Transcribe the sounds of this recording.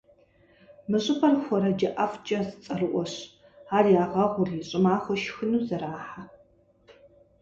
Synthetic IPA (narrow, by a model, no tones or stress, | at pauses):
mɨɕʼɪpʰɐrxʷɔɾɐd͡ʒɐʔɐft͡ʃʼɐzɨt͡sʼɐrɨʔʷɔɕ | aːrjaːʁɐʁʷʊrjiɕʼɪmaːxʷɔʃxɨnuːzɐɾaːħa